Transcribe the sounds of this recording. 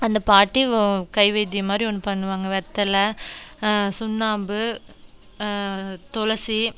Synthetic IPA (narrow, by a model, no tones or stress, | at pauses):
ɐnd̪ɐpaːɾʈːikɐɪʋɐɪd̪ɪjɐmaːd̪ɾiɔnːɯpɐɳːɯʋaːŋɡɐʋɛɾt̪ːɐlɐ | sʊnːaːmbɯ | t̪ɔlɐsi